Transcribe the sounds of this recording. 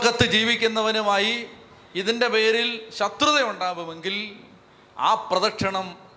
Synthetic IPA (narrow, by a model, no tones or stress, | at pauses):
kːɐt̪ːɨd͡ʑiːʋikʲːunːɐʋɐnumaːji | iðinde̞pe̞ːɾilɕɐt̪rɨðɐjuɳɖaːʋume̞ŋɡil | a̰ːprɐðɐkʂɐɳɐm